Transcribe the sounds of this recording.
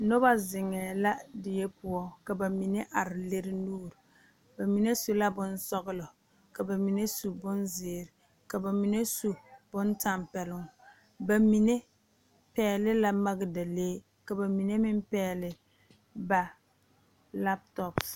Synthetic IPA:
no˦ba˦zɪ˨ŋɛː˨la˦dɪ˨jɛ˦pʊ˦ɔ˦ka˨ba˨mi˨ne˦ʔa˨ɾɪ˨le˦ɾɪ˦nuː˦˨ɾ | ba˨mi˨ne˦su˦la˦bʊ˦nsɔ˦ɣɪ˦lɔ˨ | ka˨ba˨mi˨ne˦su˨bʊ˦nzɪː˨ɾɪ˨ | ka˨ba˨mi˨ne˦su˨b̥ʊ˦nta˨mpɛ˨lʊ˦ŋ | ba˨mi˨ne˦ | pɛː˦lɪ˦la˦ma˦ɡɪ˨da˨leː˦ | ka˨ba˨mi˨ne˦mɪ˦mpɛː˦lɪ˨ | ba˨ | la˦p̚tɔ˨ps

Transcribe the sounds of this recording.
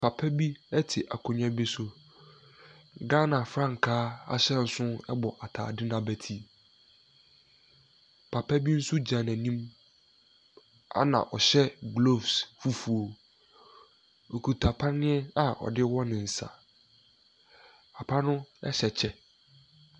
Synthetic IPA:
pʰa˨pʰɛ˦bi˦ɛ˦tʰɪ˨ʔa˨kʰo˨ɲã˦bi˦sʊ˦˨ | ɡa˦nã˨fɾã˦˨ŋ̩˨kʰaː˦a̰˦ɕɛ˦n̩˨sʊ̃˦ɛ˦bɔ˨ʔa˨tʰa̰ː˨dɪ˦nã˨bæ˨tʰi˦ | pʰa˨pʰɛ˦bi˦n̩˦su˦d͡ʑã˨næ̃˨nĩ˦m | a̰˦nã̰˨ʔɔ˨ɕɛ˦ɡlo˦˨vsfu˦fu˨o˨ | o˨kʰu˨tʰa˨pʰa˦nɪ̃˦ɛ˦a˨ɔ̰˨dɪ˦wɔ˦nɪ̃˨n̩˨sa̰˨ | a˨pʰa˦nʊ̃˦ɛ̰˦ɕɛ˨t͡ɕʰɛ˦

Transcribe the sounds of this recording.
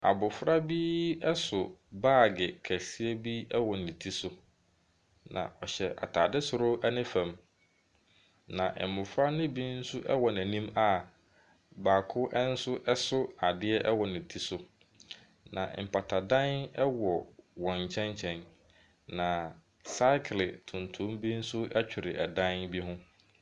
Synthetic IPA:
a̰˨bʊ˨fɾa˦bi˦ɛ˦sʊ˨baː˦˨ɡɪ˨kʰæ˨si˦æ˦bi˦ɛ˦wɔ˨nɪ̃˨tʰi˦sʊ˦ | nã̰˨ʔɔ˨ɕɛ˨ʔa̰˨tʰaː˨dɪ˦sʊ˨ɾʊ˦ɛ˦nɪ̃˦fã˨m | nã˨ʔɛ̰˨mʊ̃˨fɾa˦nɪ̃˦bi˦n̩˦sʊ˦ʔɛ̰˦wɔ˨næ̃˨nĩ˦ma˨ | baː˨kʰʊ˦ʔɛ˦n̩˦sʊ˦ʔɛ˦sʊ˦a˨dɪ˦ɛ˦ʔɛ˦wɔ˨nɪ̃˨tʰi˦sʊ˦ | nã̰˨m̩˨pʰa˨tʰa˨dã˦nɛ˦wɔ˨wɔ̃˨ɲ̩˨t͡ɕʰɛ̃˦ɲt͡ɕʰɛ̃˨n | nã˨ | sa˦kʰlɪ˨tʰũ˨ntʰũ˦mbi˦n̩˦sʊ˦ɛ˦t͡ɕᶣɪ˨ɾɪ˨ʔɛ˨dã˦nbi˦ɦʊ̃˦

